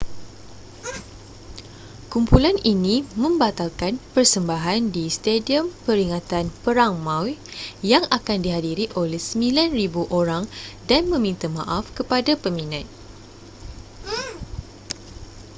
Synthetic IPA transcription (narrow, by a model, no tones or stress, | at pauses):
kumpulaninĩmə̃mbat̪alkanpərsəmbaɦandist̪ediəmpəɾiŋãt̪anpəɾaŋmãwjaŋakandiɦadiɾiʔolɛhsəmilanribuʔoɾaŋdanmə̃mĩnt̪amã̰ʔafkəpadapəminãt̪̚